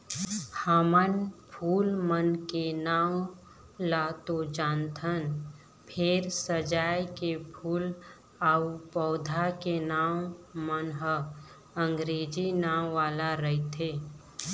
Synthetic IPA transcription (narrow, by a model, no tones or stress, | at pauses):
haːmənpʰuːlmənkenaːw | lat̪od͡ʒãːnt̪ʰən | pʰɪɾsəd͡ʒaːjkepʰuːl | aːupɔːd̪ʱakenaːwmənɦə | ə̃ŋɡɾeːd͡ʒinãːwʋaːlaɾəɦit̪ʰeː